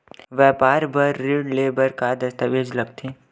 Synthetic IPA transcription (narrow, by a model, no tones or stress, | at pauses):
ʋɛːpaːɾbɐɾːeːɖleːbəɾkad̪ɐst̪əʋeːd͡ʒlɐɡt̪ʰi